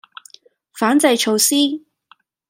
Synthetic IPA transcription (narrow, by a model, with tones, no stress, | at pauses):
faː˨˥nt͡sɐ˧jt͡ʃʰo˧wsiː˥